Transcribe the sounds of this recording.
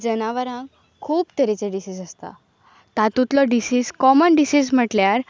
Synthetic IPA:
d͡zənaʋəɾãŋ | kʰuːpt̪əɾit͡seɖisid͡zəst̪a̰ | t̪at̪ut̪lɔɖisiːd͡zkɔmənɖisid͡zm̤əʈljaɾ

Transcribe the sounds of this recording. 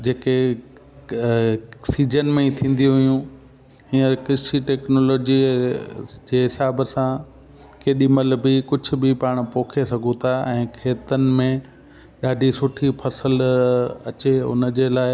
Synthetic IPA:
d͡ʑeːke | siːd͡ʑənmẽit̪ʰĩːn̆d̪ijũɦʊjũ | ĩːəɾkɪsiʈɛːknoːloːd͡ʑi | d͡ʑeːɦɪsaːbsã | keːɗimɐləbikʊd͡ʑʱʊ̆bɪpaːɽ̃poːkʰesɐɡʱut̪ʰaɛ̃ːkʰeːt̪ənɪ̆mẽ | ɗaːɖʱisʊʈʰipʰɐsəlɐ̰t͡ɕeʊ̰nd͡ʑeːlaːɪ

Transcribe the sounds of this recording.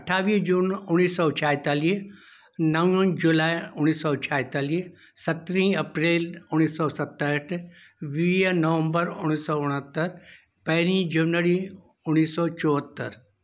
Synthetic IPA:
ɐʈʰaːʋid͡ʒuːnʊnːiːsɔːt͡ʃʰaːjt̪aːliː | nɐ̃und͡ʒulaːiʊnːiːsɔːt͡ʃʰaːɦt̪aːli | sɐt̪ɾĩɐpɾeːlʊnːiːsɔːsɐt̪ːəəʈʰ | ʋiːjənɐʋə̃mbəɾʊñiːsɔːʊɽ̃ət̪ːəɾ | pɐɦɾĩːd͡ʒɐnʋəɾi | ʊnːiːsɔːt͡ʃɔːɦət̪ːəɾ

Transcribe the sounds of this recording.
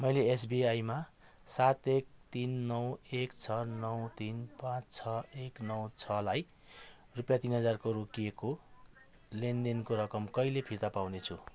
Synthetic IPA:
mʌjlees̬biajma | sat̪ek̚t̪inːʌwekt͡sʰʌnʌwt̪inpãt͡st͡sʰʌeknʌwt͡sʰʌlaj | rupjat̪inɦʌd͡zarkoɾokijeko | lend̪enkoɾʌkʌmkʌjlepʰirt̪apawnet͡sʰṵ

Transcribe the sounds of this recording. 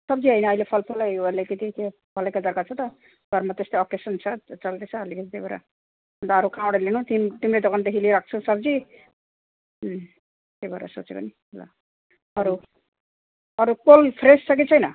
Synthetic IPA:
sʌbd͡ziʌijnʌːjlepʰʌlpʰulajʌlekit̪ike | bʱʌlajkad̪ʌɾkat͡sʰʌt̪ʌ | ɡʱʌɾmat̪est̪eɔkesʌnt͡sʰʌt͡sʌld̪et͡sʰʌːlikʰit̪ʰit̪ebaɾa̰ | nt̪ːɾukʰãwɽelinut̪imt̪imɾejd̪ɔkant̪eɦiliɾak̚ʰt͡sʰusʌbd͡zi | t̪ebaɾa̰so̰t͡seko̰ni | la̰ | ʌɾu | ʌɾukolpʰɾessʌk̬it͡sʰʌjnʌ

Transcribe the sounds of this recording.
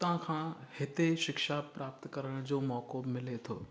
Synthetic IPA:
t̪ɐʋ̤ãkʰãːhɪt̪eʃɪkʃapɾaːpt̪kɐɾəɽ̃d͡ʑoːmɔːkobmɪlet̪ʰo̰ː

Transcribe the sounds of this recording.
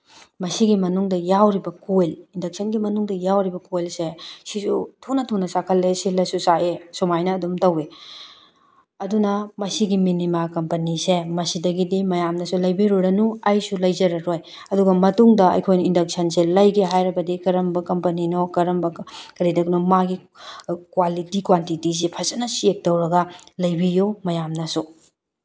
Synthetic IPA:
mɐsiɡimɐnuŋdɐjawɾibɐkojlindɐk̚sɐnɡimɐnuŋdɐjawɾibɐkojlsesisutʰunɐtʰunɐsakʰɐlːesilɐsusaʔesumajnɐːdumtɐwe | ɐdunɐmɐsiɡiminimakɐmpɐnisemɐsidɐɡidimɐjamnɐsulɐjbiɾuɾɐnuajsulɐjzɐɾɐɾoj | ɐduɡɐmɐtuŋdɐɐ̰jkʰojnɐindɐk̚sɐnselɐjɡeɦajɾɐbɐdikɐɾɐmbɐkɐmpɐninokɐɾɐmbɐkɐɾidɐknomaɡi | kwalitikwantitis̬epʰɐzɐnɐsiek̚tɐwɾɐɡɐlɐjbijumɐjamnɐsu

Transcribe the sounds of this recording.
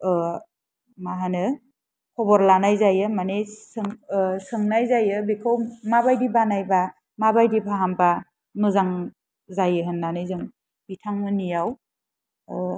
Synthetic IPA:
maɦanɯ | kʰɔbɔɾlanajzajɯmanesɯŋsɯŋnajzajɯbikʰɯwmabajdibanajba | mabajdipʰaɦampa | nɯzaŋ | zajɯɦɯnːanɯjzɯŋ | bitʰaŋmɯnijaw

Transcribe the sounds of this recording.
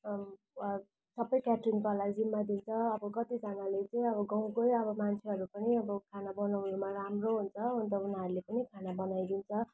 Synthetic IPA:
sʌbʌjkaʈrunkʌlajd͡zimːad̪int͡sʰʌːbʌkʌt̪id͡zanalet͡sʌĩʌβʌɡʌw̃kojʌβʌmant͡sʰeɦʌɾupʌniʌbʌkʰanabʌnawnumaramroɦunt͡sʰʌɦunt͡sʰʌunɦaɾulepʌnikʰanabʌnajd̪int͡sʰʌ

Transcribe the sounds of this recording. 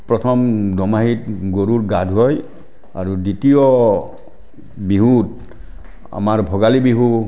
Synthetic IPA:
pɹɔtʰɔmdʱɔmaɦitɡoɾutɡadʱɦɔj | a̰ɹuditijɔ | biɦut | a̰maɹbʱɔɡalibiɦu

